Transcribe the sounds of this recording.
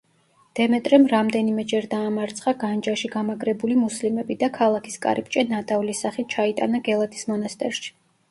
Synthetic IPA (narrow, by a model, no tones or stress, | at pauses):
d̪̥ɛmɛt̪ʼɾɛmɾamd̪ɛnimɛd͡ʒɛɾd̪aːmaɾt̪sʰχaɡand͡ʒaʃiɡamaɡɾɛbulimuslimɛbid̪akʰalˠakʰi̥skʼa̰ɾip̚ʼt͡ʃʼɛnat̪ʼavlisaχit̪̚t͡ʃʰait̪ʼa̰naɡɛlˠat̪ʰi̥smɔnast̪ʼɛ̰ɾʃi̥